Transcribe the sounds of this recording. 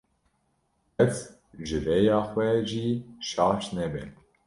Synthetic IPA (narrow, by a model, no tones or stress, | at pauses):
ɛt͡s | ʒɨɾɛjɑːxwʷɛʒiʃɑːʃnɛbɛ